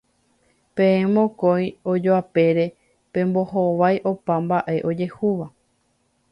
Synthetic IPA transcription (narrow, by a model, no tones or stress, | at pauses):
pẽẽmõkoj̃od͡ʒoape̞ɾe̞ | pẽ̞mbo̞ɦoʋajʔo̞pãmbaʔe̞ʔo̞d͡ʒe̞huʋa